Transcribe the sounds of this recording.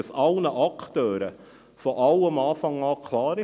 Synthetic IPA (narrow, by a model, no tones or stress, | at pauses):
sɑlnəʔɑkt̪øːɾə | fɔʔɑwəmɑːfɑŋɑːkʰlɑːɾɪ